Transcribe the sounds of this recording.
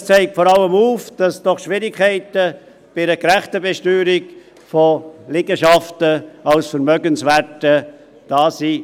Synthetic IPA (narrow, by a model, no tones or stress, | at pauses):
st͡sɛɪk̚tfɔɾɑləmuːfd̥ɑsd̥ɔχʃʋɪɾɪkʰæɪtə | b̥ɪɾəkɾæχtəbɛʃtyːɾik | folɪɡəʃɑftəɑlsfəɾmœɡənsvæɾtə | d̥ɑːsi